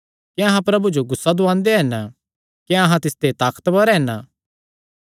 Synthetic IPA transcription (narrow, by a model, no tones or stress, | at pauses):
kiɐɦãpɾɐbud͡ʒoɡʊsːad̪ʊãːnd̪eɦɛn | keɐɦãt̪ɪst̪et̪aːkə̥t̪baɾɛɦɛna